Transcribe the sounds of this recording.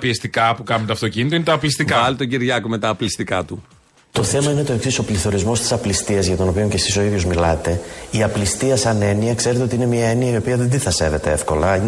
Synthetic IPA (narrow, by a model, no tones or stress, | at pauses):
ɐpiest̪ikɐpukɐmt̪ɐft̪ocinit̪oinet̪ɐːplist̪ikɐɐlit̪oɟiɾʝɐkomet̪ɐːplist̪ikɐt̪u | t̪o̞θe̞mɐine̞t̪o̞eksiso̞pliθo̞ɾizmo̞st̪isɐplist̪iɐzʝɐt̪o̞no̞pio̞ɲce̞siso̞iðʝo̞zmilɐt̪e̞iɐplist̪iɐsɐne̞niɐkse̞ɾet̪eot̪iine̞miɐe̞niɐio̞piɐðed̪iθɐse̞ve̞t̪e̞efko̞lɐin